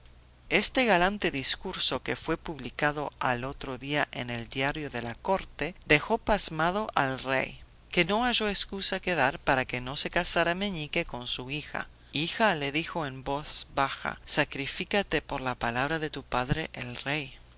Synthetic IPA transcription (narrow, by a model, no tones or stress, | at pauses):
est̪eɣalant̪e̞ðiskuɾsokefwe̞puβlikaðoalot̪ɾoðiaʔeneld̪jaɾjoðelako̞ɾt̪eðe̞xo̞pazmað̞o̞ʔalrḛj | keno̞aʒoeskusakeðaɾpaɾakeno̞se̞kasaɾamẽɲikeko̞nsuixa̰ | ixaleðixo̞embo̞θbaxa̰sakɾifikat̪epoɾlapalaβɾaðe̞t̪upaðɾeʔelrej